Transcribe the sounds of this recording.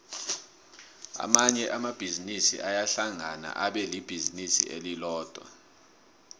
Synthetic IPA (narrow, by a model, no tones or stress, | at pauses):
a̰maɲɛʔamab̥ʱizinisḭʔajaɬaŋana̰ʔaɓɛlib̥ʱizinisḭʔelilɔːd̥ʱwa̰